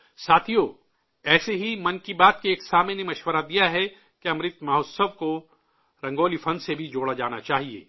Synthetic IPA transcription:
saːt̪ʰijoː | ɛːseɦimɐnkibaːt̪̚keeːksaːmenemɐʃwəɾad̪ijaɦɛ | keɐ̃mɾɪt̪maɦoːt̪səʋko | ɾɐ̃ŋɡoːlifʰɐ̃nsebʱid͡ʒoːɽad͡ʒaːnat͡ʃaːɦiḛː

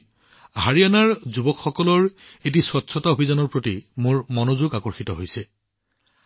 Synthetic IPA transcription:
ɦaɹijanaɹzubɔkxɔkɔlɔɹetiswɔtːsʰɔtaobʱizanɔɹpɹotimoɹmɔnozuɡakɔɹxitɔɦojsɛ

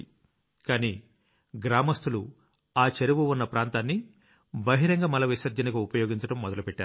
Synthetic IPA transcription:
kaːniː | ɡɾaːmɐst̪ʰulu | aːt͡ʃɐɾiʋuunːɐpɾaːnt̪aːnːi | bɐɦiɾɐŋɡaːmɐlɐʋisɐɾd͡ʒɐnɐɡuupɐjoːɡiɲt͡ʃɐʈɐmːɔd̪ɐlupɛʈːaːɾu

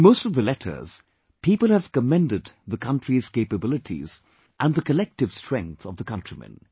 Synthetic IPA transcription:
nmoʊstʌvðəlɛtʰə̰˞z̥ | pʰipəlˠhəv̥kəmɛ̃ndɨd̪ðəkʰʌ̃ntɹ̥iz̥keɪpəbɪlˠɨtʰḭz | ʔə̃nðəkəlɛk̚tɨv̥stɹ̥ɛ̃ŋk̚θʌvðəkʰʌ̃ntɹ̥imɛ̰̃n

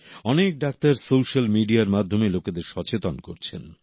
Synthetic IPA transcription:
ɔnek̚ɖak̚t̪aɾsowʃalmiɖiaɾmad̪ʱːomeloked̪eɾʃɔt͡ɕet̪onkoɾt͡ɕʰḛn

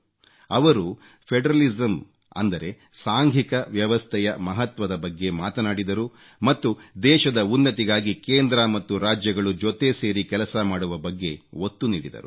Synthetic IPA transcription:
ɐʋɐɾu | pʰeɖɾɐlizɐm | ɐ̰nd̪ɐɾe̞ | saːŋɡʱikɐʋjɐʋɐst̪ʰɛjɐmɐɦɐt̪ʋɐd̪ɐbɐɡːe̞maːt̪ɐnaːɽid̪ɐɾu | mɐt̪ːud̪ɛːʃɐd̪ɐunːɐt̪iɡaːɡikeːnd̪ɾɐmɐt̪ːuɾaːd͡ʒjɐɡɐɭud͡ʒot̪e̞se̞ːɾikɛlɐsɐmaːɽuʋɐbɐɡːe̞ot̪ːuniːɽid̪ɐ̰ɾṵ

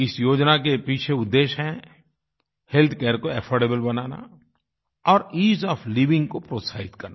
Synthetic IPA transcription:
ɪsjoːd͡ʒnakepiːt͡ʃʰeʊd̪ːeːʃɦɛ̃ | helt̪ʰkɛːɾkoɛpʰɔːɾɖeːbəlbɐnaːna̰ | ɔːɾiːzɔːfliːʋɪ̃ŋɡkopɾoːt̪saːɪt̪kɐɾna

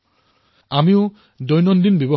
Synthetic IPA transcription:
amiʊ | dɔjnɔndinbebɔ

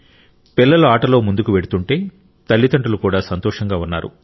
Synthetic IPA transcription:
pilːɐluaːʈɐlo̞ːmund̪ukuʋeɽut̪uɳʈe̞ː | t̪ɐɭːit̪ɐɳʈɐlukuːɽaːsɐnt̪ɔːʂɐŋɡaːunːa̰ːɾṵ

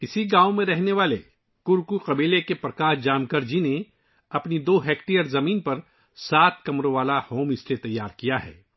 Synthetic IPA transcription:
ɪsiɡãːomẽɾɛɦneʋaːle | kʊɾkuqɐbiːlekepɾɐkaːɾd͡ʒaːmkɐɾd͡ʒine | ɐpnid̪oːɦɛːkʈijəɾzɐmiːnpɐɾ | saːt̪̚ʰkɐmɾoʋaːlahoːmɪslet̪ɐjːaːɾkijaɦɛ̰ː

